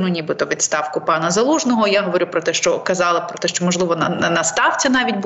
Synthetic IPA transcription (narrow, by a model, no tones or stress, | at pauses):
nunʲibɪt̪ɔʋʲid̪st̪ɑwkʊpɑnɐzɐlˠuʒnɔɦɔjaɦɔʋɔɾʲupɾɔt̪ɛʃt͡ʃɔkɐzɑlˠɐpɾɔt̪ɛʃt͡ʃɔmɔʒlˠɪʋɔnɐnɐst̪ɑwt͡sʲɐnɑʋʲitʲb